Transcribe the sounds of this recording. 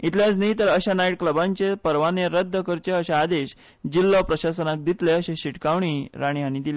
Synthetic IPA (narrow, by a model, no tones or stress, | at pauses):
it̪ʰljat͡snəɦit̪əɾəɕanajiʈ̚kləbãɲt͡ɕepəɾʋaneɾəd̪ʱːəkəɾt͡ɕeəɕaːd̪eɕ | d͡ʑilːapɾəɕasənak̚d̪it̪leəɕẽɕiʈkaʋɳ̃iɾaɽ̃iɦañid̪ile